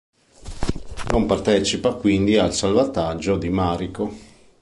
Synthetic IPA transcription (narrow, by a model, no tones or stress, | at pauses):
nompart̪ɛt͡ʃipakwind̪ialsalvat̪ad͡ʒːod̪imaːɾiko